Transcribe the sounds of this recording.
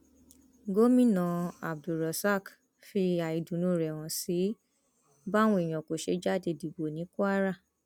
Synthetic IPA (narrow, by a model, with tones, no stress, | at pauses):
ɡo˦mĩ˦˨nã˨a˨b̚du˨ɾa˨sa˦˨k | fi˧a˨i˨dũ˨nũ˦˨ɾɛ˨w̃ɔ̃˨si˨˦ | ba˦w̃ũ˧˦i˨j̃ɔ̃˨ko˨ʃe˧˦d͡ʒa˦˨de˨di˨bo˨nĩ˨˦ku˦a˦ɾa˦˨